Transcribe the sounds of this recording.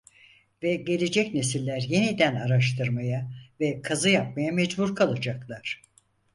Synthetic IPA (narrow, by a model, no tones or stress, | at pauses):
vɛɟe̞lʲe̞d͡ʒɛcnesilʲːæɾje̞nid̪ænaɾaʃt̪ʰɯɾmajavɛkʰazɯjap̚majamɛd͡ʒbuɾkʰalˠad͡ʒaklˠaɾ̥